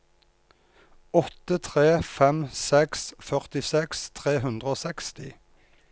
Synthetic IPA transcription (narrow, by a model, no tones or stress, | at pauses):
ɔt̪ət̪ʰʁeːfɛmsɛksfœʁt̪ɪsɛkst̪ʰʁeːɦʉnd̪ʁəoːsɛkst̪ɪ